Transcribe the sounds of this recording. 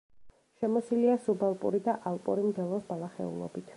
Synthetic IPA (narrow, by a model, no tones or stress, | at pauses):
ʃɛmɔsiliasubalˠpʼṵɾid̪aʔalˠpʼṵɾimd̪ɛlˠɔsbalˠaχɛ̰ṵlˠɔ̰bit̪ʰ